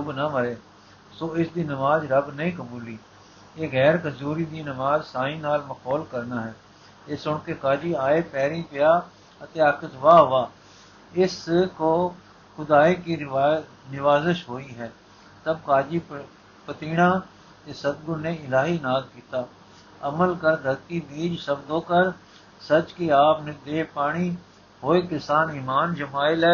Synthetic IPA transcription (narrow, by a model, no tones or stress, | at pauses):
d͡ʒʊbnəməɾeː | soːɪsd̪iːnɪmaːzɾəbnəĩːkəmuːliː | eːɣɛːɾkəzuːɾiːd̪iːnɪmaːzsaːĩːnaːlməkɔːlkəɾnaːɦɛː | ɪsʊɳkeːkaːd͡ʒiːaːeːpɛːɾĩːpɪjaː | ət̪eːakʰət̪ʋaːɦʊʋaː | ɪskoː | xʊd̪aːeːki | nɪʋaːzɪʃɦoːiɦɛː | t̪əb̚kaːd͡ʒi | pət̪iːɽ̃ãː | t̪esəd̪̚ɡʊɾneɪlaːɦinaːzkiːt̪aː | əməlkəɾd̪ʱəɾt̪ibiːd͡ʒsəbd̪õːkəɾ | sət͡ʃkiaːpned̪eːpaːɽ̃i | ɦoːekɪsaːniːmaːnd͡ʒəmaːɪlɛː